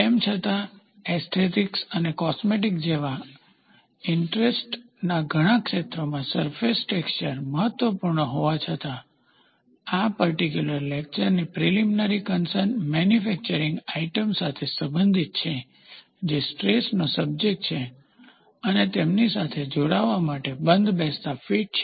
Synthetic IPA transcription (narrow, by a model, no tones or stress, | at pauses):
emt͡ʃʰət̪a | est̪ʰet̪iksənekɔsmeʈ̬ik̚d͡ʒeʋa | ɪɳʈɾesʈ | naɡʱəɽ̃ãkʃet̪ɾomãsəɾfesʈekst͡ʃəɾməɦət̪ʋəpuɾɳəɦoʋat͡ʃʰət̪a | apəɾʈik̬juləɾlek̚t͡ʃəɾnipɾiliminaɾikənsəɾnmɛnjufɛk̚t͡ʃəɾĩŋɡaiʈəmsat̪ʰesəmbənd̪ʱit̪̚t͡ʃʰe | d͡ʒesʈɾesnosəb̚d͡ʒek̚ʈt͡ʃʰe | ənet̪emnisat̪ʰed͡ʒoɽaʋamaʈebənd̪ʱbest̪afiʈ̚t͡ʃʰ